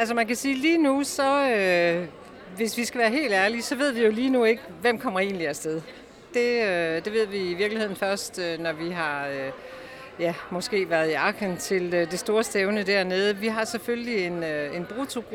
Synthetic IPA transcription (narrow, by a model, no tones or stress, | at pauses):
æls̬əmænkæsiːliːnusɒ̽ø | ʋe̝sʋisɡ̥æʋæːɐɦe̝̰ːld̥æɐlisɒ̽ʋe̝ð̞̰ˠʋijo̝liːnue̝ɡ̥ʋem̰kʰɒ̽m̰ɐe̝̰ːnliæsd̥eðˠ | d̥e̝ød̥e̝ʋe̝ð̞̰ˠʋiːʋiɐɡ̥lihe̝ð̰ˠn̩fɶɐsd̥ønɒʋiɦɑ̈ø | jæmɒ̽sɡ̥e̝̰ːʋæɐð̞ˠiɑ̈ɡʰənt͡sʰe̝lød̥e̝sd̥o̝ːɐsd̥eʊnəd̥æɐneð̞ˠəʋiɦɑ̈seføllie̝nøe̝nb̥ʁut͡sʰo̝ɡ̥